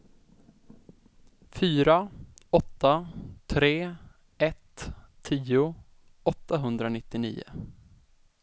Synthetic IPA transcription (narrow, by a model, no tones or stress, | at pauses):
fyːɾaɔt̪ːat̪ʰɾeː | ɛt̪ʰː | iːʊ | ɔt̪ːaɦɵnd̪ɾanɪt̪ːɪnḭːʊ̰